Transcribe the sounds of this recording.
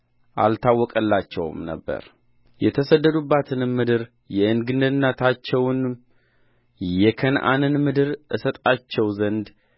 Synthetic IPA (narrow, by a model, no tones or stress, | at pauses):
ʔa̰lt̪ʰawːɔkʼəlːat͡ʃːɛ̰w̰mnə̰bːə̰ɾ | jɛt̪ʰəsəd̪ːəd̪ubːat̪ʰɨnmɨd̪ɨɾ | jɛʔɨnɡɨnːɨnːat̪ʰat͡ʃːɛwn | jɛkʰənʔa̰nɨnmɨd̪ɨɾʔɨsət̪ʼat͡ʃːɛwzənd̪